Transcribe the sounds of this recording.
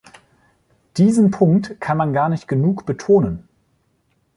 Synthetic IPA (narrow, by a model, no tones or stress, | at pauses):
d̥iːzn̩pʰʊŋktkʰanmanɡaːɐnɪçt̚ɡ̥ənuːkb̥ətʰoːnən